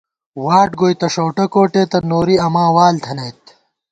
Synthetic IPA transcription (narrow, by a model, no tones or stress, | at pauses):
waːʈɡojt̪ɐʂoːʈɐkoːʈeːt̪ɐnoːɾiɐmãːwaːlt̪ʰɐnɐjt̪